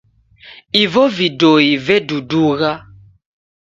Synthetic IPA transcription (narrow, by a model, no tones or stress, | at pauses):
ivɔvidoivɛduduɣa